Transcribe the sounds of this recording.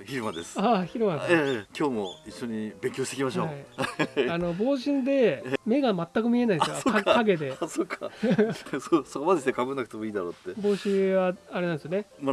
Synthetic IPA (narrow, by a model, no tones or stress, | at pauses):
çiɾɯ̟mad̪esɨ̥açiɾɯ̟mad̪esekʲo̞ːmoiɕːo̞ɲ̟ibẽ̞ŋkʲoːɕit̪ekʲimaɕo̞ːaiano̞bo̞ːɕĩnd̪e̞me̞ɡamat̪ːakɯ̟mʲie̞naid̪sɨookʰaɡe̞d̪e̞sokːa | sosokomad̪eki̥t̪ekʰabɯ̟nːak̟t̪e̞moiːd̪aɾot̪ːebo̞ːɕĩβaaɾeãnd̪sjonema